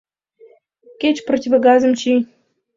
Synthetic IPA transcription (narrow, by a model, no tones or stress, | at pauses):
kʲet͡ɕprotʲivɐɡɑzə̆mt͡ɕi